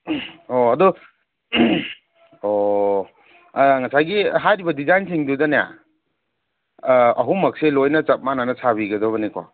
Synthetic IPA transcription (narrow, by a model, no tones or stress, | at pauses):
oɐdu | o | ŋɐsajɡiɦajɾibɐdizajnsiŋdudɐnaja̰ | ɐɦumɐk̚selojnɐt͡ʃɐt̚mananɐsʰaβiɡɐdɐβɐnikwa̰